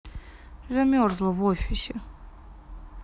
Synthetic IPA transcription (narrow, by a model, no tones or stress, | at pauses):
zamʲɔɾzlˠɔvɔfʲisʲɛ